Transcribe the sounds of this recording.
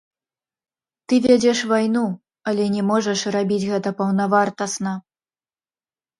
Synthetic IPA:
t̪ɨvʲɛd͡zʲɛʂvajnu | ɐlʲɛnʲɛmɔʐɐʂrabʲid͡zʲɣɛt̪ɐpɐwnɐvart̪ɐsnɐ

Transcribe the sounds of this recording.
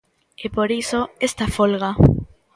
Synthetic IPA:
epoɾisoest̪afolɣa

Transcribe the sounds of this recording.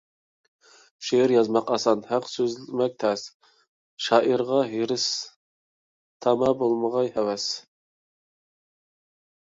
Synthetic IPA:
ʃeɾjɑzmɑqɑsɑnhæqsøzlɪmɛk̚ʲt̪ʰɛs | ʃɑːʔiɾʁɑɦeɾɪs | t̪ʰɑmɑbolˠməʁɑjhɛwɛs

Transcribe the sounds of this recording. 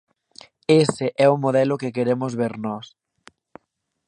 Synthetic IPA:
esɪʔɛʊmoðɛlʊkekeɾemʊzβeɾnɔs

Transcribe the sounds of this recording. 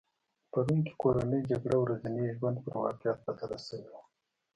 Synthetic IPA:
paɾunke̥koɾanəjd͡ʒaɡɽawɾazaniʒwand̪pəɾwɑ̰qjɑt̪̚pat̪aɾasawewa

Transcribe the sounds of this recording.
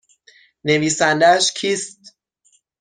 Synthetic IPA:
ne̞viːsænd̪ææʃcʰiːst̪̚

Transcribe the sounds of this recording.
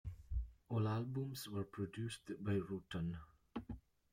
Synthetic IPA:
ɔlalbũmswəɹpʰɹɔdjustbaɪɹutə̃n

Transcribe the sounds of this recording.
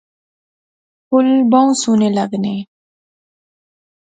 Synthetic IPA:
pʊlbãw̃sunelaɡne

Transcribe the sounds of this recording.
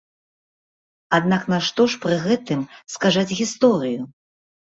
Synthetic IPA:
ad̪̚naknaʂt̪ɔʂpɾɨɣɛt̪ɨmskazat͡sʲɣʲist̪ɔɾɨju

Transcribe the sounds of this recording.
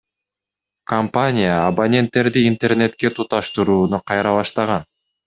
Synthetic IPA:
kɐmpanʲɪjaːbanʲe̞nt̪ːe̞ɾd̪iːnt̪e̞rnʲe̞t̪ke̞t̪ʰut̪ɑʃt̪uɾuːnuqʰɑjɾɑβɑʃt̪ɑʁɑn

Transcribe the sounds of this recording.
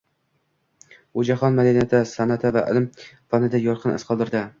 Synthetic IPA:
ʊd͡ʒaχɒnmad̪ɪnat̪ʰasanat̪ʰavaʔɪ̰lmfɒnɪd̪ajɒɾqʰɨnɨ̰sqʰɒlˠd̪ɪɾd̪ɪ

